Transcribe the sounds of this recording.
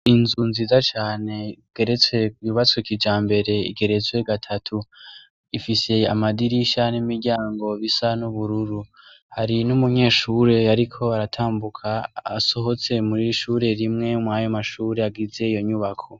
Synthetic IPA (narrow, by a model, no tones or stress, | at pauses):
inzunziːzat͡ʃaːne̞ɡ̥e̞ɾe̞t͡swe̞kjuβat͡swekid͡ʒaːmbe̞ɾe̞ḭɡe̞ɾe̞t͡swe̞ɡatʰatʰu | ifise̞a̰madiɾiʃanimiɾɟaːŋɡo̞βisanuβuɾuɾu | haɾinumuɲe̞ːʃuɾe̞aɾikʰo̞aɾatʰaːmbukʰa̰ːso̞ɦo̞t͡se̞muɾiʃuɾe̞ɾimŋe̞mwajo̞maʃuːɾe̞aɡize̞ijo̞ɲuβakʰo̞